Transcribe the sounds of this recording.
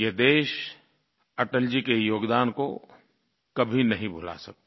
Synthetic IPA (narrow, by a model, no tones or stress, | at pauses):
jed̪eːʃ | ɐʈəld͡ʒikejoːɡd̪aːnko | kɐbʱinɐɦĩbʱʊla̰sɐk̚t̪e